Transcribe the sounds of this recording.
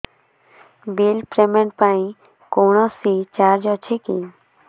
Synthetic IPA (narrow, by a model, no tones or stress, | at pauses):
bilpɾemeɳʈ̚paĩ | koɳ̃ɔsit͡ʃaɾd͡ʒɔt͡ʃʰekḭ